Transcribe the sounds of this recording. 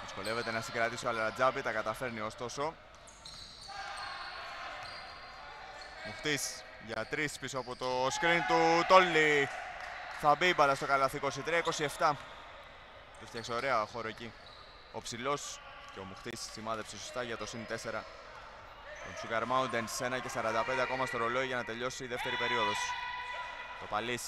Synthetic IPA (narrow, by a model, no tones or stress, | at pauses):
ðisko̞le̞vet̪enɐsiŋɡɾɐt̪isoɐlɾɐd͡zɐbit̪ɐkɐt̪ɐfe̞ɾnio̞st̪o̞so̞ | muxt̪is | ʝɐt̪ɾispisoɐpo̞t̪o̞skɾint̪ut̪o̞lːi | θɐbibɐðɐst̪o̞kɐlɐθiko̞sit̪ɾiɐiko̞sie̞ft̪ɐ | ift̪çɐkseoɾeɐxo̞ɾoeci | o̞psilo̞s | ceo̞muxt̪isːimɐðe̞psisost̪ɐʝɐt̪o̞sint̪e̞se̞ɾɐ | t̪onsupeɾmɐund̪ense̞nɐce̞sɐɾɐnd̪ɐped̪eko̞mɐst̪oɾo̞lo̞iʝɐnɐt̪e̞ʎo̞siːðe̞ft̪e̞ɾipe̞ɾio̞ðo̞su̥ | t̪o̞pɐlis